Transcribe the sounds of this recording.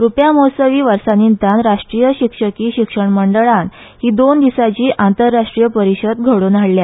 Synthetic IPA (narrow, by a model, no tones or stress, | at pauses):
ɾupjamosəʋiːʋəɾsanint̪anɾaʂʈɾijəɕikʂəkiːɕikʂəɳməɳɖəɭãn | hiːd̪ond̪isat͡ɕiːʔant̪əɾːaʂʈɾijəpəɾiɕəd̪ɡʱəɽuːnaɽlja